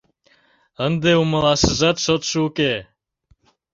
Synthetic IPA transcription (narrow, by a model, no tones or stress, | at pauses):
ənd̪euməlɑʃəʒɑt̪ʃot̪ʃuke